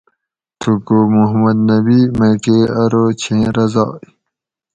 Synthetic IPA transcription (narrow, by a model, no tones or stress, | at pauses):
t̪ʰukomuɦmɐd̪nɐbimɐjkeɐɾoːt͡ɕʰẽːɾɐzɑ̰ːj